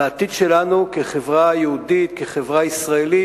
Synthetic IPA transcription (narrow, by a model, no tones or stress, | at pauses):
aːt̪id̪ʃelanukeχevʁajeud̪it̪keχevʁaisʁaeli